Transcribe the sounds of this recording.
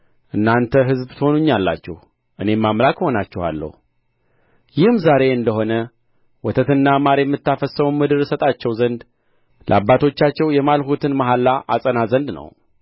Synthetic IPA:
ʔɨnːant̪ʰəɦɨzbt̪əho̞nuɲːalːa̰t͡ʃːɛh | ʔɨne̞mːamlakho̞nat͡ʃːɛha̰lːə̰hu | jɪhmzaɾe̞ɨnd̪əɦo̞nə | wɔt̪ʰət̪ɨnːamaɾjɛmːɨt̪ːafəsəmumːɨd̪ɨɾsət̪ʼat͡ʃːɛwzənd̪ | lʔə̰abːat̪ʰo̞t͡ʃːat͡ʃːɛwjɛmalhut̪ʰɨnmaɦalːaʔasʼənazənd̪nə̰w

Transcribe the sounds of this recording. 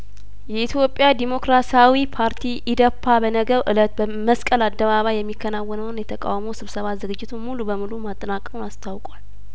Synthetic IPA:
jɛit̪ʰjo̞pʼːjad̪imo̞kɾasawipʰaɾt̪ʰiʔɪd̪əpʰːabənəɡəɾʔɨlət̪bə | məskʼəlad̪ːəβaβajjɛmːikʰːənawːənəwnjɛt̪ʰəkʼa̰wməwsɨβsəβazɨɡɨd͡ʒːɪt̪ʰunmulubəmɨlumat̪ʼːənakʼəmunast̪ʰawkʼal

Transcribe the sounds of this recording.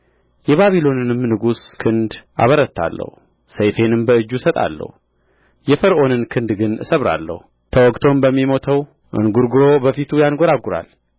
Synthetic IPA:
jɛβaβilo̞nɨnɨmnɨɡuskʰɨnd̪ʔa̰βəɾət̪ːa̰lːə̰hu | səjfe̞nɨmbəɨd͡ʒːusət̪ʼa̰lːə̰hu | jɛfəɾʔo̞nɨnkʰɨnd̪ɡɨnɨ̰səβɾa̰lːə̰hu | t̪ʰəwɔɡt̪ʰo̞mbəmːimo̞t̪ʰəw | ʔɨ̰nɡuɾɡɨɾo̞bəfit̪ʰujanɡo̞ɾaɡuɾa̰l

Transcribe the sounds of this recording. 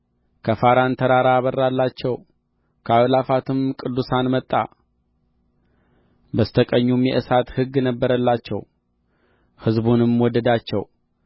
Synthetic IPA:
kʰəfaɾant̪ʰəɾaɾaβərːalːat͡ʃːɛw | kʰəawlafat̪ʰɨmkʼɨd̪ːusanmət̪ʼːa̰ | bəst̪ʰəkʼəɲːumjɛ̰ʔɨsat̪hɨɡːnəbːəɾəlːat͡ʃːɛ̰w | hɨzbunɨmwɔd̪ːəd̪at͡ʃːɛ̰w

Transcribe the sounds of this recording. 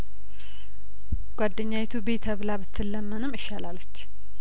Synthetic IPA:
ɡ̥ʷad̪ːəɲːawet̪ʰubet̪ʰəβlabɨt̪ʰːɨlːəmːənɨmɨʃːalalət͡ʃː

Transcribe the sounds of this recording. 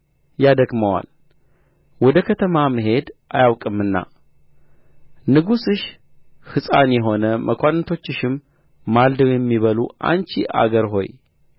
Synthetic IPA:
jad̪əɡməwa̰l | wɔd̪əkʰət̪ʰəmaməɦe̞d̪ʔajawkʼɨmːɨnːa̰ | nɨɡusɨʃ | hɨsʼanjɛɦo̞nəmʔəkʷanːət̪ʰo̞t͡ʃːɨʃɪmː | ald̪əwjɛmːiβəluʔa̰nt͡ʃiʔa̰ɡəɾɦo̞̰j

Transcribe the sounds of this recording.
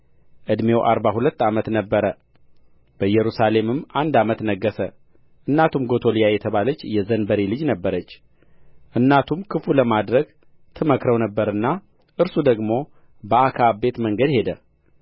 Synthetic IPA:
ʔɨd̪me̞wʔaɾbahulət̪ːamət̪nəbːəɾə | b̥əjɛɾusale̞mɨmand̪amət̪nəɡːəsə | ʔɨnːat̪ʰumɡo̞t̪ʰolijajɛt̪ʰəβalət͡ʃːjɛzənbəɾelɨd͡ʒnəbːəɾət͡ʃː | ʔɨnːat̪ʰumkʰɨfuləmad̪ɾəɡ | t̪ʰɨməkɾəwnəbːəɾɨnːa | ʔɨɾsud̪əɡmo̞ | bəʔakʰabe̞t̪məŋɡəd̪he̞d̪ə

